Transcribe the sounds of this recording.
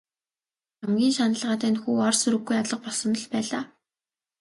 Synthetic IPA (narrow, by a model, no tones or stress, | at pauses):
amɡʲiːnʃanə̆ɮʁaːt̪æːnxuːɔrsɵɾɘ̆ɡujat̪ɮə̆q̚pɔɮsɞ̆nɞ̆ɮpæːɮaː